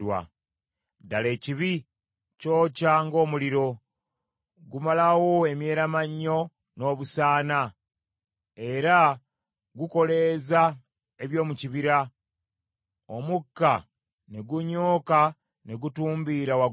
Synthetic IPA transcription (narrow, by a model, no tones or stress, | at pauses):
wa̰ | dale̞ːciβi | co̞ːcaŋɡo̞ːmuliɾo̞ | ɡumalawo̞e̞mje̞ːɾamaɲːo̞ | no̞ːβusaːna | e̞ɾa | ɡuko̞le̞za | eβjo̞ːmuciβiɾa | omukːa | neɡuɲo̞ːka | neɡutuːmbiɾawa